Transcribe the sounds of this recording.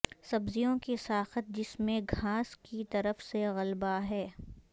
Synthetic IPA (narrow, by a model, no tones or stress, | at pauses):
sɐbzijõkisaːxət̪̚d͡ʒɪsmẽɡʱaːskit̪ɐɾəfseɣɐlbaɦɛː